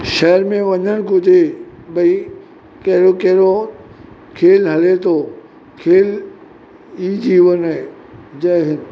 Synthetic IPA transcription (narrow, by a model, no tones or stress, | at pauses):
ʃɐɦəɾmẽʋɐɲəñkʊt̪ebɐi | kɐɾokɐɦɾo | kʰeːlɦɐlet̪ʰoː | kʰeːl | iːd͡ʑiːʋənɛ | d͡ʑɐɦɪnɪ̆